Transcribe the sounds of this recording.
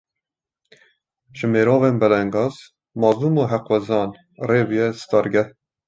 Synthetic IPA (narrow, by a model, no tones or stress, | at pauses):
ʒəmeːɾoːveːnbɛlɛŋɡɑːz | mɑːzuːmoːɦɛqwɛzɑːn | reːbijɛst̪ɑːɾɡɛh